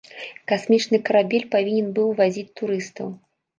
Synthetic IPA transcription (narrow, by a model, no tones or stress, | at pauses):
kasmʲit͡ʂnɨkɐɾabʲɛlʲpavʲinʲɛnbɨwvazʲit͡sʲt̪uɾɨst̪ɐw